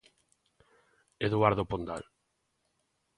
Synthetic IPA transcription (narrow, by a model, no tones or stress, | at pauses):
eðuaɾðopond̪a̰l